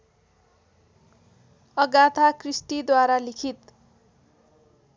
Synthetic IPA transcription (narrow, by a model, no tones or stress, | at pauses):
ʌɡat̪ʰakrisʈid̪waɾalikʰit̪